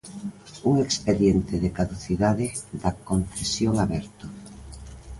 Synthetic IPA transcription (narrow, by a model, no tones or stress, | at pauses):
uŋekspeðjent̪ɪðekaðuθiðaðɪðakonθesjoŋaβɛɾt̪ʊ